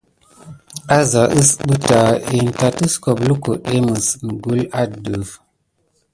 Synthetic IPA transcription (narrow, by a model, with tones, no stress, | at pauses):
a˦za˨ʔə˦sɓɨ˦ta˨e˨n˨ta˨tɨ˦sko˨blu˦ko˨ɗe˦mɨ˨sm˨ɡu˦la˦də˨f